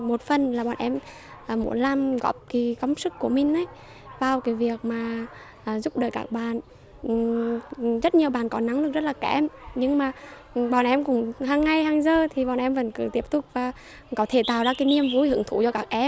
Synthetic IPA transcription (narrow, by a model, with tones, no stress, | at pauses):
mo˨˩t̚fə˨˩nlaː˨˩ɓaː˨˩nʔɛ˧m | ʔːmṵ˧˥əla˧mɣɔ̰˧˨˩p̚ki˧˩kə˨˦wŋ͡msɨ˦˥kːu˧˩əmï˨˩ŋ̟ʔə˨˦j | vaː˧˩wkaː˨˦jvi˨˩ək̚maː˨˩ | ʔəː˨˩zʊ˦˥p̚ɗəː˨˩jkaː˧˥k̚ɓaː˨n˨˩ | zə˦˥t̚ɲi˨˩əwɓaː˨˩nkɔ˨˦na˨˦ŋlɨ˨˩k̚zə˦˥t̚laː˨˩kɛ̰˧˩mɲɨ˧ŋmaː˨˩ | ɓaː˨˩nʔɛ˧mkʊ̰˧˥ŋ͡mɦaː˧ŋːa˧jhaː˧ŋzəː˧t̪ʰi˨˩ɓɔ̰˨nʔɛ˧mvə̰˧˩nkɨ̰˧˩t̪i˦˥əp̚t̪ʊ˨˩k͡p̚vaː˨˩ | kɔ˨˦t̪ʰe˧˩t̪aː˨˩wzaː˧kaː˨˦jni˧əmvu˨˦jhɨ̰˧˩əŋt̪ʰṵ˧˩t͡ɕɔ˧kaː˦˥k̚ʔɛ˧m